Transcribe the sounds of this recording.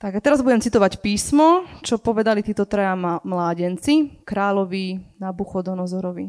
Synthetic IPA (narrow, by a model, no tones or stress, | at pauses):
t̪aɡat̪ɛɾazbuɟɛmt͡sit̪ɔʋacpiːsmɔt͡ʃɔpɔʋɛd̪alit̪iːt̪ɔt̪ɾɛjamlaːɟɛnt͡sikɾaːʎɔʋinabuxɔd̪ɔnɔzɔɾɔʋi